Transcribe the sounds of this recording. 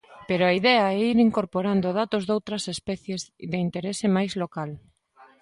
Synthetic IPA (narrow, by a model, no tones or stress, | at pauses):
peɾoaiðɛɐɛiɾiŋkoɾpoɾand̪oðat̪ozðowt̪ɾɐsespɛθjezdeint̪eɾesemajzlokal